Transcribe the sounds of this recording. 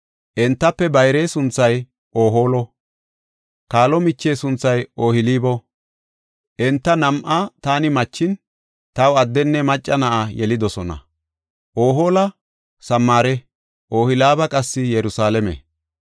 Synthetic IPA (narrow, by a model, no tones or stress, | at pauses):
ʔɛnt̪ːɐpːɛbɐjɾe̞ːsʊnt͡sːɐj | ʔoːɦo̞ːlɔ | kaːlɔmɪt͡ʃːe̞ːsʊnt͡sːɐjoːhɪliːbɔ | ʔɛnt̪ːɐnɐmʔat̪aːnɪmɐt͡ʃːɪn | t̪ɐwɐd̪ːɛnːɛmɐt͡ʃʼːɐnɐʔajɛlɪd̪ɔsɔnɐ̰ | ʔoːɦoːlɐ | sɐmːaːɾɛ | ʔo̞ːhɪlaːbɐkʼɐsːɪjɛɾʊsaːlɛmɛ̰